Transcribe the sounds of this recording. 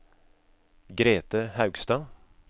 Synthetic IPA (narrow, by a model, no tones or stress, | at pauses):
ɡɾeːt̪əhɑʉɡst̪ɑː